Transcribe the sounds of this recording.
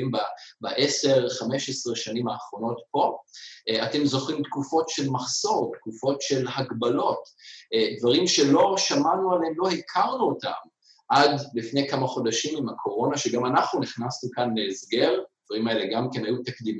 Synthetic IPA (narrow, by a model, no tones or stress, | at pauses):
mbabaʔe̞se̞ʁχame̞ʃesʁeʃanimaːχʁo̞no̞tpo̞ | ate̞mzo̞χimtkufo̞tʃe̞lmaχso̞ʁtkufo̞tʃe̞lhaɡbalo̞tdvaʁimʃe̞lo̞ʃamanualhemlo̞hikʰaʁnuota̰m | ʔadlifne̞jkamaχo̞daʃimimakʰo̞ʁo̞naʃeɡamanaχnuniχnasnukanle̞ːzɡe̞ʁd̥̪vaʁimae̞le̞ɡamkenajutakdim